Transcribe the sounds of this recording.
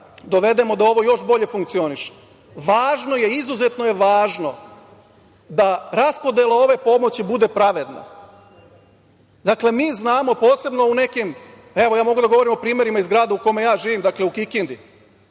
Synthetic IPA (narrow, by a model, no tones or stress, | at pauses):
d̪o̞ʋe̞d̪e̞mo̞d̪ao̞ʋo̞jo̞ʃbo̞ʎe̞fuŋkt̪sio̞niʃe̥ | ʋaːʒno̞je̞izuze̞t̪no̞jeʋaːʒno̞ | d̪aɾaspo̞d̪je̞lao̞ʋe̞po̞mo̞t͡ɕibud̪e̞pɾaʋe̞d̪na̰ | d̪akle̞miːznaːmo̞po̞ːse̞bno̞une̞kim | e̞ʋo̞jaːmo̞ɡud̪aɡo̞ʋo̞ɾimo̞pɾiːme̞ɾimaizɡɾaːd̪euko̞me̞jaːʒiːʋimd̪akle̞ukikind̪i